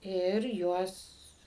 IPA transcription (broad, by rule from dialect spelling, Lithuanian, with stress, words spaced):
ɪr ˈjuɔs